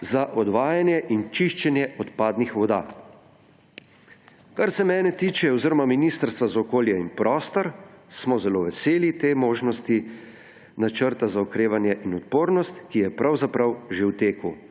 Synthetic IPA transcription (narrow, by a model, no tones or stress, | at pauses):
zaʔɔd̪ʋaːjanjɛʔint͡ʃiʃt͡ʃɛnjɛʔɔt̪paːd̪nixʋɔd̪a̰ː | kaɾsɛmɛːnɛt̪iːt͡ʃɛɔwziɾɔmaminist̪əɾst̪ʋazaɔkoːljɛinpɾʔɔːst̪ɔɾsmɔzɛloʋɛseːlit̪eːmoːʒnɔst̪i | nat͡ʃəɾt̪azaɔkɾeːʋanjɛʔinɔt̪poːɾnɔst̪kijɛpɾʔawzapɾɐwʒewt̪eːku